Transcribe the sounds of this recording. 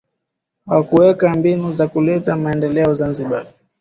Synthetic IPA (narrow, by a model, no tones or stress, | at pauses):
wakuwɛkambinuzakulɛtamaɛndɛlɛɔzanziɓa